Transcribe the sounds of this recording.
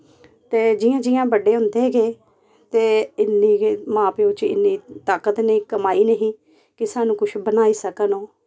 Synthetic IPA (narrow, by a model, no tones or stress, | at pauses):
t̪eːd͡ʒiːãːd͡ʒiːjãːbəɖeːʊnd̪eːɡeː | t̪eːɪnːĩːmãːpeʊt͡ʃɪ̰nːiːt̪aːkət̪nĩːkəmaːiːnəɦĩː | kɪsaːnũːkʊt͡ʃʰbənaːiːsəkənõː